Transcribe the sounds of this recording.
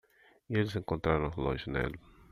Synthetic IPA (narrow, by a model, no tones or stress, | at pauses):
ielɪzẽŋkõnt̪ɾaɾɐ̃lɔ̰̃ʒinḛl